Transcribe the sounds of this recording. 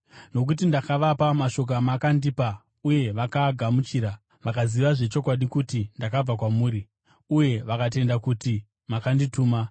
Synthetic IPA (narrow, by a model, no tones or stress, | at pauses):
no̞k̬ut̬indakaʋapamaʃo̞k̬amakandipa | uje̞ʋakaɡʱamut͡ʃiːɾa | ʋakaziʋaʐe̞t͡ʃo̞kwaɗikutindakab͡vakwamuːɾi | uje̞ʋakat̬e̞ndakuti | makandituːma